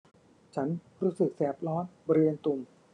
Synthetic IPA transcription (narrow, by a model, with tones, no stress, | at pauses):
t͡ɕʰa˦˥nɾuː˦˥sɯ˨˩k̚sɛː˨˩p̚lɔː˦˥nbɔ˧ɾi˧ənt̪u˧m